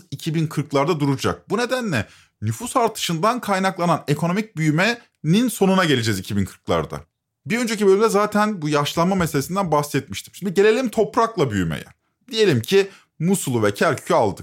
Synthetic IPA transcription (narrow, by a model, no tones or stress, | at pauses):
icʰibinkʰɯɾklˠaɾd̪ad̪uɾud͡ʒa̰k̚bune̞d̪ænlʲɛ | nyfusaɾt̪ʰɯ̥ʃɯnd̪ankʰajnaklˠanane̞kʰo̞no̞mic̚byjymɛ | ninso̞nunaɟe̞lʲed͡ʒɛzicʰibinkʰɯ̥ɾklˠa̰ɾd̪a̰ | biɾø̞nd͡ʒecibø̞lʲymd̪ɛzaːt̪ʰænbujaʃlˠanmameselʲesind̪ænbaxsɛt̪̚miʃt̪ʰimʃʰimd̪iɟe̞lʲelʲimt̪ʰo̞pɾaklˠabyjymḛjɛ̰ | d̪ije̞lʲimcʰi | musulˠuvɛcʰæɾcʰy̥cʰyalˠd̪ɯk